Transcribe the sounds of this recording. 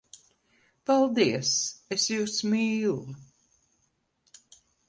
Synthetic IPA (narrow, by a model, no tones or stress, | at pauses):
palˠd̪iɛsesjuːsmiːlˠu